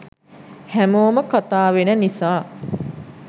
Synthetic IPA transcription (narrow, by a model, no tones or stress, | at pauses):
hæmoːməkat̪aːʋenənisaː